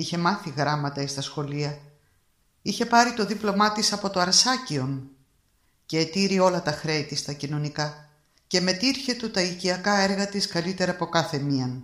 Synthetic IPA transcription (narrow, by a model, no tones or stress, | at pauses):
içe̞mɐθiɣɾɐmɐt̪ɐest̪ɐsxo̞liɐ | içe̞pɐɾit̪o̞ðiplo̞mɐt̪isɐpo̞t̪o̞ɐɾsɐcio̞n | ce̞ːt̪iɾio̞lɐt̪ɐxɾet̪ist̪ɐcino̞nikɐ | ce̞me̞t̪iɾçe̞t̪ut̪ɐiciɐkɐe̞ɾɣɐt̪iskɐlit̪e̞ɾɐpo̞kɐθe̞miɐn